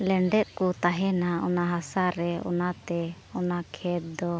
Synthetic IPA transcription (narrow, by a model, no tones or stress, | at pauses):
lɛɳɖɛt̪̚ˀkut̪aɦɛnaɔ̰naɦasaɾɛɔ̰nat̪ɛ | ɔnakʰɛt̪̚d̪ɔ